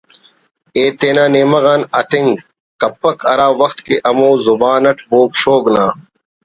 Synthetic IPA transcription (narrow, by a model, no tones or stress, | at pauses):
eːt̪eːnaːneːmɐɣaːnɐt̪iŋɡ | kɐpːɐkʰɐɾaːwɐxt̪keʔɐmoːzubaːnɐʈʰboːkɕoːɡlaː